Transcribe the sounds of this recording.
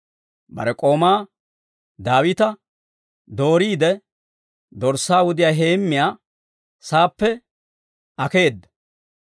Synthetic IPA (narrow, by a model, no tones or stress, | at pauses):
bɐ̰ɾɛkʼo̞ːmaː | d̪aːwɪt̪ɐ | d̪o̞ːɾiːd̪ɛ | d̪ɔɾsːaːwʊd̪ɪjaːɦe̞ːmːɪjaː | saːpːɛ | ʔɐke̞ːd̪ːɐ̥